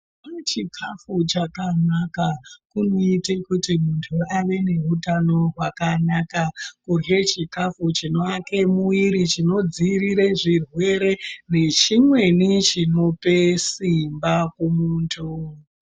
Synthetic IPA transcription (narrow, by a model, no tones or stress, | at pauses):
at͡ʃikʰafut͡ʃakanakakunoite̞kutimuntʰuaʋe̞ne̞ɦutano̞rwakanakakurje̞t͡ʃikafut͡ʃino̞ake̞muiɾit͡ʃino̞d͡ziriɾeʐirwe̞ɾe̞ne̞t͡ʃimwe̞nit͡ʃino̞pesimbakumuːntʰu